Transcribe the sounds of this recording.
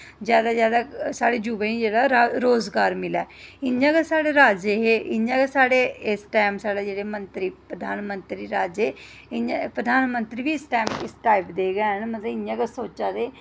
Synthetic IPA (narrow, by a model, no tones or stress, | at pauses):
zjaːd̪aːzjaːd̪aːsaːɽeːd͡ʒuːbẽĩːd͡ʒeːɽaːɾaɾoːzɡaːɾmɪlɛːɪɲãːɡasaːɽeːɾaːd͡ʒeɦeːʔɪɲãːɡasaːɽeːɪsʈɛːmsaːɽaːd͡ʒeːɽeːmənt̪ɾiːpɾəd̪ʱaːnmənt̪ɾiːɾaːd͡ʒeː | ɪɲãpɾəd̪ʱaːnmənt̪ɾiːʋiːsʈaːmɪsʈaːɪpd̪eːɡɛːənmət̪ləbɪɲãːɡasoːt͡ʃaːd̪eː